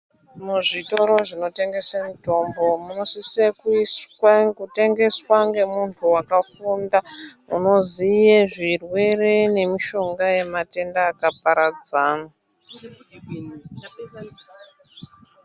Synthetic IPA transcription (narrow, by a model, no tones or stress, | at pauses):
muʐito̞ɾo̞ʐino̞te̞ŋɡe̞samito̞mbo̞muno̞sisekuskute̞ŋɡe̞swaŋɡe̞muntʰuwakafunda | ṵno̞zijeʐirwe̞rene̞miʃo̞ŋɡaje̞mate̞ndaːkapaɾad͡zaːna